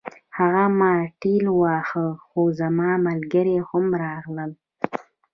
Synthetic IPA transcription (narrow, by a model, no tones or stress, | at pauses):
haɣamɑʈilwɑxəxozamɑmalɡəɾehʊmɾɑɣləl